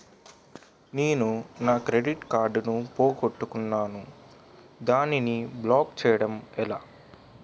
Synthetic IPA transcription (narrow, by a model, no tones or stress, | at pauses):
neːnunaːkɾeɖiʈkaːɾɖnupo̞ːɡoʈːukunːaːnu | d̪aːniniblaːkt͡ʃɛːjɐɽɐmɛlaː